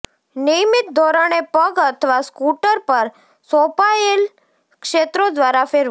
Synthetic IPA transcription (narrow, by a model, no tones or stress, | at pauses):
nijmɪt̪̚d̪ʱoɾəɳ̃epəɡət̪ʰəʋaskuʈəɾpəɾ | sõpael | kʃet̪ɾod̪ʋaɾafeɾ